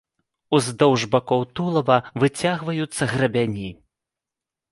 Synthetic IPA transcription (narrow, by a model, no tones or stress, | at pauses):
uzd̪ɔwʐbakɔwt̪ulˠɐvɐvɨt͡sʲaɣvɐjut̪sːɐɣɾɐbʲanʲi